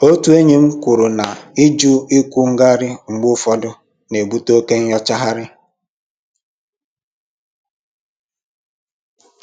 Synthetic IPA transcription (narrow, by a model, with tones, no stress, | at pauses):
o˦tu˦e˦ɲe˨ŋ͡m̩˦kʷu˨ɾu˨na˨i˦d͡ʒu˦i˦kʷu˦ŋ̩˦ɡa˦ɾɪ˦ŋ͡m̩˨ɡ͡bʊ˦fɔ˦dʊ˦ | ne˨bu˦to˦ke˦ɲ̩˦jɔ˦t͡ʃa˦ɦa˦ɾɪ˦